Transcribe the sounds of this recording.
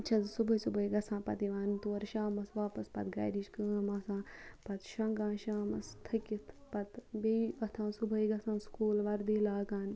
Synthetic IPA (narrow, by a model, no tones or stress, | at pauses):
ɐt͡ʃʰɐzsubəisubəiɡɐsãːpɐt̪iʋaːnt̪oːɾʃaːmɐsʋaːpɐspɐt̪ɡa̰ːɾiʃkɨːmɐsãːpɐt̪ʃɐŋɡãːʃaːmɐst̪ʰɐkʲit̪ʰpɐt̪beiɐt̪ʰãːsʊbʱəiɡɐsãːskuːlʋɐɾd̪iːlaːɡaːn